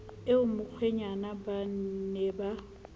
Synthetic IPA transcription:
ɪʊmʊk͡xʰweɲanaban̩nɛba

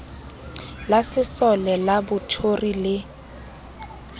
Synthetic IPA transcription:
lasɪsɔlɛlabʊtʰorilɪ

